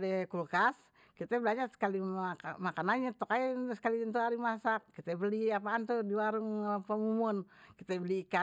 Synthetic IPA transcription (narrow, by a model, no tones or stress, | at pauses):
dɛkulkas | kit̪ɛbəlaɲasə̥kaliamakanaɲat̪ɔkaɛsə̥kalint̪uɦaɾimasakːit̪ɛbəliap̬aːnt̪udiwaɾuŋpəmumɔnkit̪ɛbəliːka